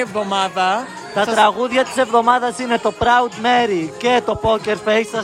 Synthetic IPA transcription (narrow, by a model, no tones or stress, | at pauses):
vðomɐðɐ | t̪ɐt̪ɾɐɣuðʝɐt̪i̥se̞vðo̞mɐðɐsine̞t̪o̞pɾɐud̪me̞ɾice̞t̪o̞po̞ceɾfejsɐ